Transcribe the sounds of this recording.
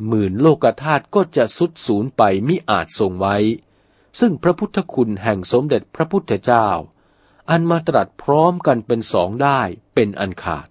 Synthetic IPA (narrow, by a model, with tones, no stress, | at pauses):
mɯː˨˩nloː˥˩kːa˧t̪ʰaː˥˩t̪̚kɔː˥˩t͡ɕa˨˩ʔsu˦˥t̪̚suː˩˦npa˧jmi˦˥ʔa̰ː˨˩t̪̚so˨ŋwa˦˥j | sɯ˥˩ŋpʰɾa˦˥pʰu˦˥t̪ʰːa˧kʰu˧nɦɛ˨˩ŋso˩˦mde˨˩t̪̚pʰɾa˦˥pʰu˦˥t̪ʰːa˧t͡ɕaː˥˩w | ʔa˨˧nmaː˧t̪ɾa˨˩t̪̚pʰɾɔː˦˥mka˧npe˧nsɔ̰ː˩˦ŋdaː˥˩jpe˧nʔa˧nkʰa̰ː˨˩t̪̚